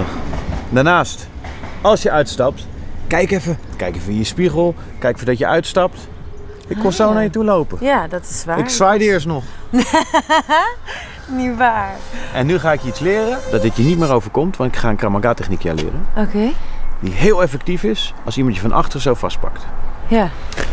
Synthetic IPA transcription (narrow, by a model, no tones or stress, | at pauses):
əχdaːɹnaːst | ɑlˠsjəʔœɥtstɑp̚tkɛjkɛfəkɛjkɛfəijəspiχəlˠ | kɛjkfədɔtjəʔœɥtstɑpt | ɪkkɔsownaːɹjətulowpəjadɑtɪ̥sʋaːɪksʋajdəɪːɹstnɔχ | niʋaːɹʔɛnːyχaːɪkjəitslɪːrədɑt̚dɪtjənitmɪːrowvəɹkɔmtʋɑntɪkχaːənkramaɡatɛχnikja̰ːlɪ̰ːrənokediɦɪːlˠɛfɛk̚tifɪs | ɑlˠsimɑntjəfɑnʔɑ̰χtərəsowfɑ̰st̚pɑ̰ktja